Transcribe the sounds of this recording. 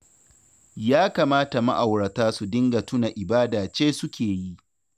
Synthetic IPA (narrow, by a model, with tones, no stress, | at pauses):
jaː˦kaː˨maː˦ta˨ma˦ʔa˨wɽɐ˨taː˦su˨dɪ˦ŋɡa˨tʊ˦na˨ʔɪ˨baː˦daː˨t͡ʃeː˦sʊ˦kʲeː˨ji˦ʔ